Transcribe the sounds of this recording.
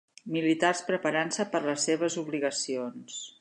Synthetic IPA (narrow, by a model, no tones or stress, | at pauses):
milit̪arspɾəpəɾansəpəɾləsːeβ̞əzuβliɣəsions